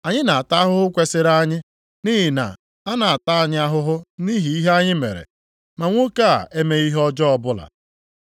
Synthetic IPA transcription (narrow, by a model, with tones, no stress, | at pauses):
a˨ɲɪ˦na˨a˨ta˦ɦʊ˦ɦʊ˦kʷe˨sɪ˦ɾa˦ɲɪ˦ | niː˦ɦi˨na̰˨ | a˦na˨a˨ta˦a˨ɲɪ˦a˦ɦʊ˦ɦʊ˦ni˦ɦi˨˦i˦ɦe˦a˦ɲɪ˦mḛ˨ɾḛ˨ | ma˨ŋʷo˦ka˦a̰˨ʔe˦me˦i˦ɦɔ˦d͡ʒɔ˦ɔ˦bʊ˦la̰˨